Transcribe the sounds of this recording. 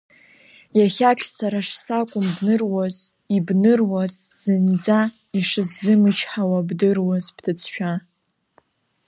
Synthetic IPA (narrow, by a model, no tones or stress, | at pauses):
jaχʲakʲʰʼsaɾaʂsakʷʼʊmbnɨrwaz | ibnɨrwazz̥ɨnd͡za | iʂɨzzɨmɨt͡ʃʰħawabdɨrwazpʰtʰɨt͡sʰʃᶣa